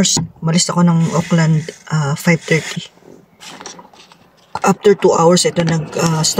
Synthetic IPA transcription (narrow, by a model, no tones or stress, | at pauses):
smɐlɪst̪ɐko̞nɐŋʔokland̪ʔafajv̚t̪ɛɹt̪ʰi | ʔap̚t̪ɛɹt̪uʔawɛɹsʔɛt̪o̞nɐɡast̪